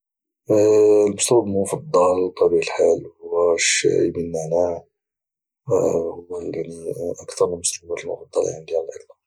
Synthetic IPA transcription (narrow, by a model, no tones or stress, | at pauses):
lmʊst̪bbəmʊfɑd̪ˤːɑlt̪ˤːɑbiʕəlħalhʊwːæʃːḭjmənːaʕnæ | hʊwːæjaʕniʔɑkt̪ɑɾˤməlmʊsubæt̪əlmʊ̰fɑd̪ˤːɑlja̰nid̪jæləlʕə̰llɑ